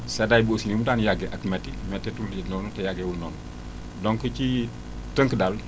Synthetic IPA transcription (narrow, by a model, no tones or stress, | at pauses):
sɛdaːjbosinimudanjaɡɛʔɐkmɛtːḭmɛtːɛtulnɔːnutɛjaɡɛwulnɔːnɔ | dɔŋkət͡ʃi | təŋkdal